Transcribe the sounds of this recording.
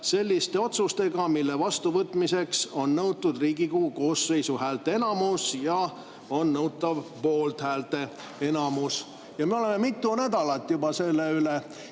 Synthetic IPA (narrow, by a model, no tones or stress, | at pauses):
se̞lʲːist̪e̞o̞t̪sust̪e̞ɡɑmilːevɑst̪uvɤt̪ːˑmise̞kso̞nnɤwt̪ːˑud̪riːɡikuːko̞ːsːe̞jsuhæːlt̪ˑe̞e̞nɑmusjɑ | o̞nːɤwt̪ːˑɑvpo̞ːlt̪hæːlt̪e̞ | e̞nɑmus | jɑmeo̞leme̞mit̪ːˑunæd̪̥ɑlɑt̪ːˑjubɑse̞lːeyle